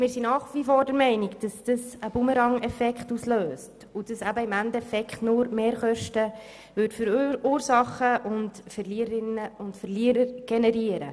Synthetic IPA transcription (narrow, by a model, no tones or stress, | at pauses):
mɪːɾsinɑːχʋifoːɾdəɾmɛɪnɪɡd̥ɑsd̥əsəb̥uməɾɑŋɛfɛkχtusløːst | ʊd̥əsæbəɪmændɛfɛkχtnʊːɾmeːɾχœʃtə | ʋʏɾtfʏɾuːɾsɑχəʔʊndfɛɾliːɾɪnəʊntfəɾliəɾəɾɡ̥enɛɾiəɾə